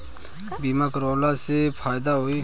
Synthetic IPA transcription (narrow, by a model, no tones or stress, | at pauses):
biːmaːkəɾoːlaːsepʰaːjd̪aɦoːiː